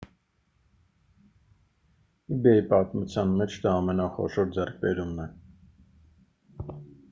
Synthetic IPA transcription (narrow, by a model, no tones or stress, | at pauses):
ibjɛipɑt̪mut͡sʰjɑnmɛt͡ʃʰd̪ɑːmɛnɑχɔ̰ʃɔɾd͡zɛrk̚ʰbɛɾumnɛ